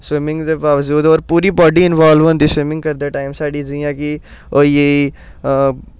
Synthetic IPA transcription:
swɪmɪ̃ŋɡd̪eːbaːʋəd͡ʒuːd̪ɔːɾpuːɾiːbɔːɖiːɪnʋaːlʋõːnd̪iːswɪmɪ̃ŋɡkəɾd̪eːʈaːɪmsaːɖiːd͡ʒɪjãːkɪ | oːiːeiː

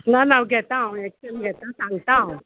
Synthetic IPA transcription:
nanawɡɛt̪ãɛksẽmɡɛt̪asãŋt̪ãw

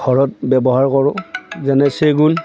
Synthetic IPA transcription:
ɡʱɔɹɔt̚bɛbɔɦaɹkɔɹʊ̃zɛnɛseɡun

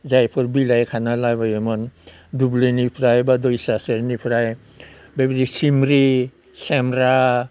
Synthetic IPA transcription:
zajpʰoɾbilajkʰanalajbajomɔn | dublenipʰɾajbad̪ojsaseɾnipʰɾaj | bebdisimɾi | sɛmɾa

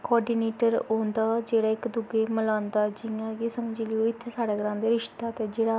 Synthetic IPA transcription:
kɔːɾɖiːneːʈəɾõːnd̪aːd͡ʒeːɽaːɪkd̪ʊɡeːməlãːnd̪aːd͡ʒɪjãːɡisəmd͡ʒiːləjoːɪt̪ʰːesaːɽeːɡəɾãːnd̪eːɾɪʃd̪aːt̪eːd͡ʒeːɽaː

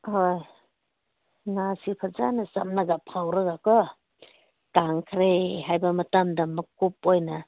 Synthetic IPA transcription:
hoj | ŋasipʰaza̰nɐsa̰mnaɡapʰawɾɯɡakɔ | taŋkʰɾeɦajbɐmɐtamdamːɐkup̚ojna

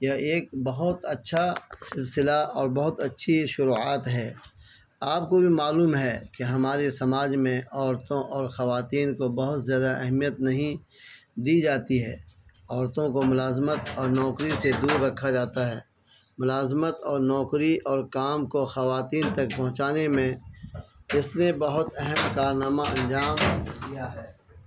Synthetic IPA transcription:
jeeːkbɐɦʊt̪ɐtːʃʰasɪlsɪlaʔɔːɾbɐɦʊt̪ɐtːʃʰiʃʊɾuːaːt̪ɦɛː | aːp̚kobʱimaːluːmɦɛkeɦɐmaːɾesɐmaːd͡ʒmẽɔːɾt̪õʔɔːɾxɐʋaːt̪iːnkobɐɦʊt̪zjaːd̪aʔɛɦmijət̪nɐɦĩ | d̪iːd͡ʒaːt̪iɦɛːɔːɾt̪õkomʊlaːzmət̪ɔːɾnɔːkɾised̪uːɾːɐkʰːad͡ʒaːt̪aɦɛː | mʊlaːzmət̪ɔːɾnɔːkɾiʔɔːɾkaːmkoxɐʋaːt̪iːnt̪ɐkpɐ̃ɦʊ̃t͡ʃaːnemẽ | ɪsnebɐɦʊt̪ɛɦɛmkaːɾnaːmaɐ̃nd͡ʒaːmɡijaɦɛː

